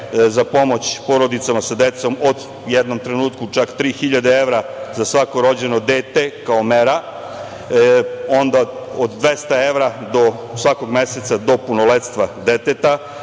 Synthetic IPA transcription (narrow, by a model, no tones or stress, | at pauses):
zapo̞mo̞t͡ɕpo̞ɾo̞d̪it̪samasad̪et̪so̞mod̪ | jed̪no̞mt̪ɾenuːt̪kut͡ʃakt̪ɾiːxiʎad̪eeʋɾazasʋakoɾo̞d͡ʑe̞no̞d̪eːt̪e̞kaomeɾa | o̞nd̪aod̪d̪ʋe̞st̪ae̞ʋɾad̪o̞ | sʋako̞ɡme̞set̪sad̪o̞punolet̪st̪ʋad̪et̪et̪a